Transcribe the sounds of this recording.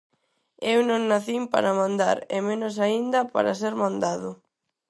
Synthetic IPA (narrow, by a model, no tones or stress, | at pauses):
ewnõŋnaθimpa̰ɾamãnd̪a̰ɾemenʊs̬aind̪ɐpa̰ɾas̬eɾmãnd̪aðʊ